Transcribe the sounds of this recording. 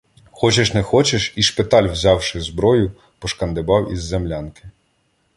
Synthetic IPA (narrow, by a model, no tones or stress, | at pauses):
xɔt͡ʃɛʃnɛxɔt͡ʃɛʃiʃpɪt̪ɑlʲwzʲɑwʃɪzbɾɔjʊ | pɔʃkɐnd̪ɪbɑwizːemlʲɑnkɪ̥